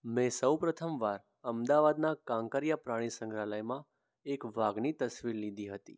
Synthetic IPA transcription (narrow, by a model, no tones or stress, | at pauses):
mɛ̃səwpɾət̪ʰəmʋaɾ | əmd̪aʋad̪nakãŋkəɾijapɾaɽ̃isə̃ŋɡɾaləjmã | ekʋaɡnit̪əsʋiɾlid̪iɦət̪ḭ